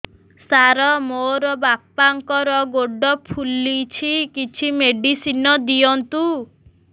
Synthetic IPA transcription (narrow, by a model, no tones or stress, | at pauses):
saɾɔmoɾɔbapːaŋkɔɾɔɡoɖɔpʰulːit͡ʃʰikit͡ʃʰimeɖisinɔd̪ijɔnt̪u